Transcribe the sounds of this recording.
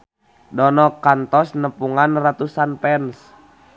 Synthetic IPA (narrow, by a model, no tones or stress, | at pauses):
dɔnɔkant̪ɔsnəpuŋanrat̪usanpɛns